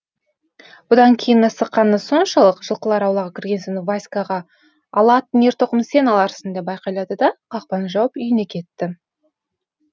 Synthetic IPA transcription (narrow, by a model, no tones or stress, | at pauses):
bʊd̪ɑŋkʲʰe̞jɪnəsəqːɑnːəso̞nʃɑlˠəqʒ̥əlˠqəlˠɑɾɑwlˠɑʁəkʲʰɪɾɡʲe̞nsenɪvajskɑʁɑː | lˠɑt̪neɾt̪ʰoqəmsenɑlˠɑɾə̥sənd̪ebɑjqɑjlˠɑd̪əd̪ɑqʰɑq̚pɑnəʒɑwəpʏjɪne̞kʲʰe̞t̪ːɪ